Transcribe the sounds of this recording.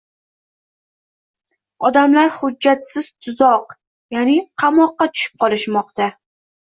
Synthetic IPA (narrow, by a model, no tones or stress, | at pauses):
ɒd̪amlaɾhʊd͡ʒːat̪sɪz̥t̪ʰʊzɒq | janɪqʰɑmɒqːɑt̪ʰʊ̥ʃɪ̥p̚qʰɒlˠɪʃmɒqt̪a